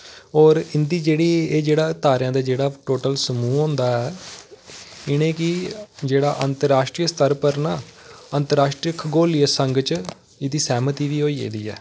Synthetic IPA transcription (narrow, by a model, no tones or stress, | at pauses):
ɔːɾɪnd̪iːd͡ʒeːɽiːeːd͡ʒeːɽaːt̪aːɾjãːd̪aːd͡ʒeːɽaːʈoːʈəlsəmuːõːnd̪aːɛː | ɪñẽːkɪd͡ʒeːɽaːʔənt̪əɾaːʃʈɾiːəst̪əɾpəɾnaːənt̪əɾaːʃʈɾiəkʰɡoːliəsəŋɡt͡ʃ | ɪd̪iːsɛːmət̪iːʋiːɦoːiːḛːd̪iːɛ̰ː